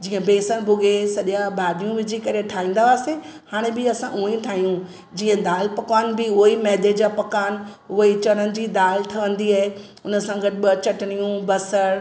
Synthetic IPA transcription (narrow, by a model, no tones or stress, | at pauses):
d͡ʑiːə̃beːsəñbʱʊɡʱesɐʄjãbaːd̪ijũʋɪd͡ʑikɐɾeʈʰaːɦĩːn̆d̪aʋaːsehaːɽ̃ebɪɐsãʔũĩt̪ʰaːɦijũ | d͡ʑiːə̃d̪aːlpɐkaːnbɪʊimɛːd̪ed͡ʑaːpɐkaːnɦʊɦit͡ɕɐɾənɪ̆d͡ʑiːd̪aːlt̪ʰɐʋə̃nd̪iaːɦe | ʊnə̆sãɡɐt̪ɪbɐt͡ɕɐʈɪɽ̃ijũbɐsəɽ